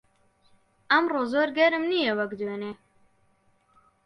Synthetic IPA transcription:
ɐmrozoːɾɡɛɾɨmnijɛwɐkd̪wøːneː

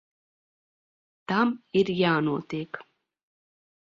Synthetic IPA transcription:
d̪̥amiɾjaːnut̪ik

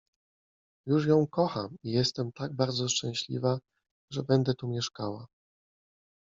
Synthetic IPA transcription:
juʂjɔ̃w̃kɔxamijɛst̪ɛmt̪aɡ̚baɾd̪zɔʂt͡ʂɛ̃w̃ɕlʲḭva | ʐɛbɛnd̪ɛt̪umʲjɛʂkawa̰

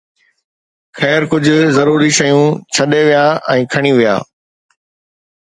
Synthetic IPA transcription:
xɛːɾkʊd͡ʑʱʊzɐɾuːɾiʃɐjũt͡ɕʰɐɗeʋijaːɛ̃ːkʰɐɽ̃iʋija̰ː

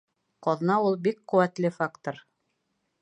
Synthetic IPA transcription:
qɑð̆nɑulˠbikqɵ̆wæt̪lɘfakt̪oɾ

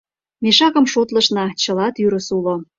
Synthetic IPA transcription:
meʃɑkə̆mʃot̪lə̆ʃnɑt͡ɕə̆lɑt̪yɾə̆sulo

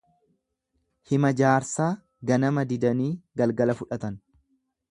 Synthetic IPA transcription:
hɪmɐd͡ʒaːɾsaː | ɡɐnɐmɐd̪ɪd̪ɐniːɡɐlɡɐlɐfʊᶑɐt̪ɐn

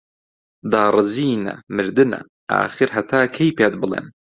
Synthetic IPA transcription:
d̪aːrˤɨziːnɐ̰mɨɾd̪ɨnɐ̰ | ʔa̰ːχɨɾɦɐt̪ʰaːkʰejpeːt̪̚bɨlˠḛːn

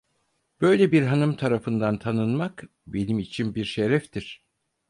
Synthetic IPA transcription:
b̥ø̞jlʲebiɾɦanɯmt̪ʰaɾafɯnd̪ant̪ʰanɯnmak | be̞nimit͡ʃʰinbiɾʃeɾɛft̪ʰiɾ̥

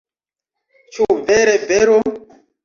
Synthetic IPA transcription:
t͡ʃuvɛɾɛvɛɾo

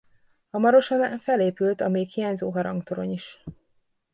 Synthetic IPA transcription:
ɒmɒɾo̞ʃɒnafɛleːpylt̪ɒmeːkhijaːɲzoːɦɒɾɒŋkt̪oɾo̞̰ɲiʃ

